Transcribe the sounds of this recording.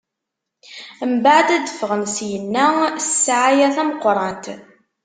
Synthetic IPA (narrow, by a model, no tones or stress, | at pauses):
əmbaʕd̪æd̪əfəʁənsjənːæsːaʕajæθæməqːɾˤɑnt̪